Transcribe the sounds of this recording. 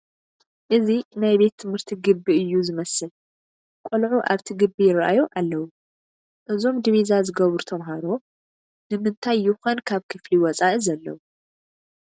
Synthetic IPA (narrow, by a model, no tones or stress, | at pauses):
ʔɨzinajbe̞t̪ʰːɨmhɨɾt̪ʰiɡɨbːiɨjːuzɨmɐsɨl | kʼolʕuʔaβt̪ʰiɡɨbːijɪɾʔa̰joʔalːɐwu | ʔɨzo̞md̪iβizazɨɡɐβɾut̪ʰɐmɦaɾo̞ | nɨmɨnt̪ʰajːɪxonkʰaβkʰɨfliwɔt͡sʼaʔizɐlːɐ̰wu